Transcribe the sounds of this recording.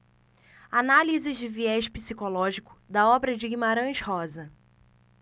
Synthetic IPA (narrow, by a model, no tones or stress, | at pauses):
analizɪzd͡ʒɪviɛʃpisikolɔʒikʊ̥d̪ɐɔbɾɐd͡ʒɪɡimaɾɐ̃ʃhɔzɐ